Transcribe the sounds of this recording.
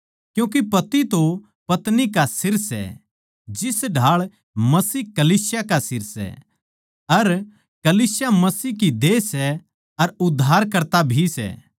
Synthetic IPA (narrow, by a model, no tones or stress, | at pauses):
kjũːk̬ipɐt̪it̪o | pɐt̪nikasɪɾsɛ̰ | d͡ʒɪsɖʱaːɭ | mɐsiːɦkɐliːsjakasɪɾsɛ̰ | ɐɾ | kɐliːsjamɐsiːɦkid̪eːsɛ | ɐɾʊd̪ʱːaːɾkɐɾt̪abʱisɛ̰